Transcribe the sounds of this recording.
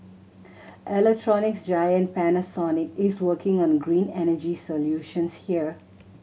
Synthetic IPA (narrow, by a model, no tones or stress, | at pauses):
ʔɛlɛk̚ʈʰɹɔnɪksd͡ʒaɪə̃n̚pænəsɔnɪkɪzwəːkɪ̃ŋɔ̃nɡɾĩːnɛnəd͡ʒisoljuːʃə̃nshiəɹ